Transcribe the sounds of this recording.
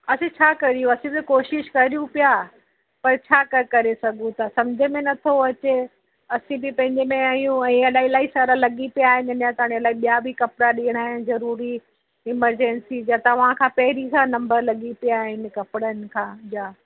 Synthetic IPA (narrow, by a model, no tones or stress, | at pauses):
ɐsẽt͡ɕʰaːkɐɾijũɐsĩbkoːʃɪʃkɐɾijũpijaː | pɐɾt͡ɕʰaːkɐkɐɾesɐɡʱũt̪ʰasɐ̃md͡ʑʱəmẽnɐt̪ʰoɐt͡ɕe | ɐsĩbɪpɐ̃ɦɪ̃ɲd͡ʑemẽaːɦijũɛ̃ːɐlaːɦilaːɦisaɾalɐɠipijaːɦɪnɪɪnjãt̪ɐaːɽ̃iɐlaːiɓijabɪkɐpɾaɗiːəɽ̃aːɦɪnɪ̆zɐɾuːɾi | ɪməɾd͡ʑɛnsid͡ʑat̪ɐʋ̤ãkʰãːpɐɦɪɾikãːnɐ̃mbəɾlɐɠipijaːɦɪnɪ̆kɐpɽənɪ̆kʰãːd͡ʑaː